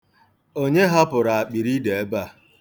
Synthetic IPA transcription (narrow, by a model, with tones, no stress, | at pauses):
o˦ɲe˦ɦa˦pʊ˨ɾa˨a˨k͡pi˨ɾi˦de˨e˦ba˦˨